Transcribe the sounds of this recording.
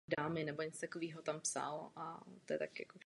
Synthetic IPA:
daːmɪnɛboɲɛt͡st̪akoviːɦot̪ampsa̰lat̪ojɛt̪akja̰ko

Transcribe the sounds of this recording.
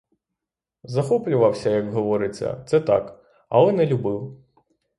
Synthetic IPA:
zɐxɔplʲʊʋɐwsʲɐjɐɡɦɔʋɔɾɪt͡sʲːɐ̰t̪sɛt̪ɑ̰k | ɐ̰lˠɛnɛlʲʊbɪw

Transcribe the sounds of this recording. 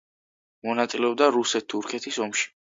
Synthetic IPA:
mɔnat̪sʼilɛɔb̚d̪aɾusɛt̪ʰːuɾkʰɛt̪ʰisɔmʃi̥

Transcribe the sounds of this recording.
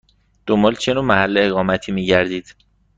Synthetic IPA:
d̪̥o̞mbɒːlt͡ʃʰe̞noːmæhælːeeɣɒːmæt̪ʰiːmiːɟæɾd̪iːd̪̥

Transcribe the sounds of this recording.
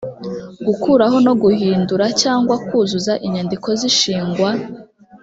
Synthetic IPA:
ɡukuːɾaɦo̞no̞ɡuhiːnduɾacaːŋɡwakuːzuzaʔiɲandiko̞ziʃiːŋɡwa

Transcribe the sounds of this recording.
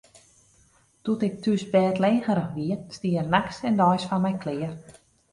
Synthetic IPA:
tutɪk̚tysbɛːtleːɣəɾəxʋiəstiəərnaksɛndɔjsfɔnmɛjkʰlɪːər

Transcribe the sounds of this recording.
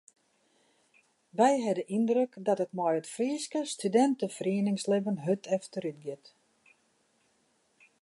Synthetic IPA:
ʋɛjɦɛdəʔindrøkdɔtətmɔjətfriəskəstydɛntəfriənɪŋslɪbənɦøtʰɛftəɾytɡɪt

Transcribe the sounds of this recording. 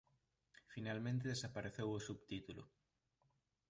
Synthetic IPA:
finalmẽnt̪̬eðesapaɾeθewosuβt̪it̪ulʊ̰

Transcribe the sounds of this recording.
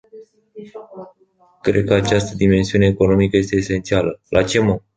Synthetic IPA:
kɾe̞̰d̪̚kəat͡ʃast̪əd̪ime̞nsiune̞ːko̞no̞mikəje̞st̪e̞ːse̞nt̪sialəlʔat͡ʃe̞mo

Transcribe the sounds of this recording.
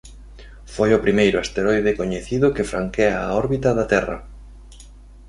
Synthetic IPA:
fojʊpɾimejɾʊast̪eɾojðekoɲeθiðʊkɪfɾaŋkeaːɔɾβit̪ɐðat̪ɛrɐ̰

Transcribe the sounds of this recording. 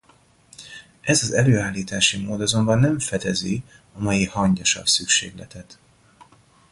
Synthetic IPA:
ʔɛzɒzɛløːaːlːiːt̪aːʃimoːd̪ɒzo̞mbɒnːɛɱfɛd̪ɛzi | ɒmɒjihɒɲɟɒʃɒ̰lsykʃḛːɡlɛt̪ɛt̪

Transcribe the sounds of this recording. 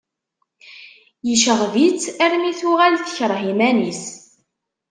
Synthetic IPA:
jəʃəʁvit͡sːæɾmiθuʁælθçəɾˤɦimænis

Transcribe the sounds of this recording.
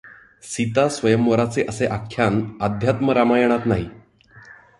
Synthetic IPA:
sit̪asʋəjəmʋəɾat͡seʔəseʔakʰːjanad̪ʱjat̪məɾamajəɽ̃at̪naɦi

